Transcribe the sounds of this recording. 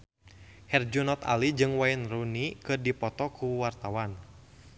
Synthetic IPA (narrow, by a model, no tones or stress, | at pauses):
hɛrd͡ʒunɔt̪a̰lid͡ʒɨŋwainrunikɨrdipɔt̪ɔkuwart̪awan